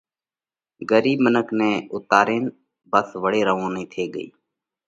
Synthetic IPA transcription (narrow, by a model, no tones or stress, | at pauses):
ɡəɾiːbmənəkʰnẽːʊt̪aːɾeːn | bəsʋəɽeːɾəʋõːnĩːt̪ʰeːɡəḭː